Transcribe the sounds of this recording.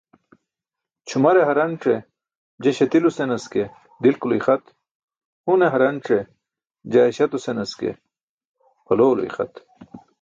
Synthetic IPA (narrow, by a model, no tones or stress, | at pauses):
t͡ɕʰumɐɾeɦɐɾɐnʈ͡ʂe | d͡ʑeɕɐt̪ilusenɐske | d̪ilkuluixɐt̪ | huneɦɐɾɐnʈ͡ʂe | d͡ʑaːeɕɐt̪usenɐskḛ | pʰɐloːlo̰ḭxɐ̰t̪